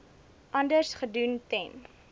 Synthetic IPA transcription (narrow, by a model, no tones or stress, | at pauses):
ʔɐndərsχəduntɛn